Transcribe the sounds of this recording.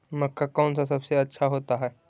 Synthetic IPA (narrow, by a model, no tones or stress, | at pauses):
mɐkːakɔːnsasɐbseɐtːʃʰaɦoːt̪aɦɛː